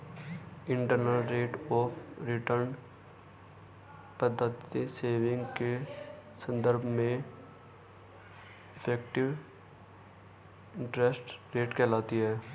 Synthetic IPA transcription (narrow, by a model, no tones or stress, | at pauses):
ɪ̃ɳʈəɾnəlɾeːʈɔːpɾɪʈəɾn | pəd̪ːət̪iseːʋɪ̃ŋɡkesə̃nd̪əɾbʱmẽ | ɪpʰɛːkʈɪʋ | ɪ̃ɳʈɾesʈɾeːʈkɛːlaːt̪iɦɛː